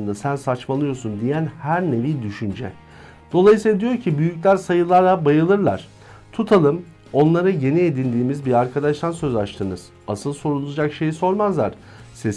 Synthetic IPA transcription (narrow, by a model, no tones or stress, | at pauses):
nd̪asænsat͡ʃmalˠɯjo̞sund̪ijænhæɾne̞vid̪yʃynd͡ʒɛ | d̪̥o̞lˠajɯsiad̪ijo̞ɾcʰibyjyclʲæɾsajɯlˠaɾlˠabajɯlˠɯɾlˠa̰ɾ̥ | t̪ʰut̪ʰalˠɯm | o̞nlˠaɾɯɟe̞nied̪ind̪iːmizbiɾaɾkʰad̪aʃt̪ʰansøzat͡ʃt̪ʰɯnɯz̥ | asɯlˠso̞ɾulˠuud͡ʒakʃe̞jiso̞ɾmazlˠa̰ɾ̥ | ses